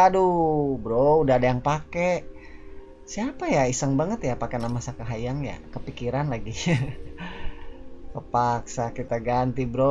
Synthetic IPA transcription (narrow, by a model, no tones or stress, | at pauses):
adubɾoudadajaŋpake | siapajaisaŋbaŋət̪japakenamasakəɦajaŋja̰kəpikiɾanlaɡi | kəpaksakit̪aɡant̪ibɾo